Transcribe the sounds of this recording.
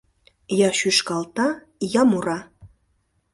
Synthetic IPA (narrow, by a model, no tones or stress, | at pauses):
jɑʃyʃkɑlˠt̪ɑ | jɑmuɾɑ